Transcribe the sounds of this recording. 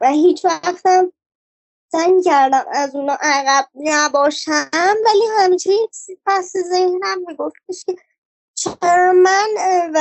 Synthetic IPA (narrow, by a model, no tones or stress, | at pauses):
væhiːt͡ʃʰvæxt̪æm | z̥æɲcæɾd̪æmæzunɒːʔæɣæb̥̚næbɒːʃæmvælihæmit͡ʃʰei̥sipʰæsezehnæmːiɡoft̪̚eʃce | t͡ʃʰeɾmænvæ